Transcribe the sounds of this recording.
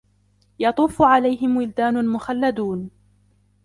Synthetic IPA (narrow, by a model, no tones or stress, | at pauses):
jɑt̪ˤuːfʊʕalajɦɪmwɪld̪aːnʊlmʊxalːad̪uːn